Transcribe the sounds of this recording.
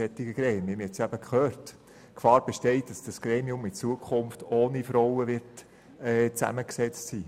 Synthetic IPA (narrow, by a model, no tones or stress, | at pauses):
ɛt̪ɪɡəɡɾɛːmiəmɛtsæbəkχøːrt | kfɑːɾb̥ɛʃtɛɪtd̥ɑsd̥ɑsɡ̥ɾeːmiʊmɪt͡suəkʰχʊnftoːnifɾɔwəʋɪɾt | ɛːt͡sæ̰məksɛt͡stsiː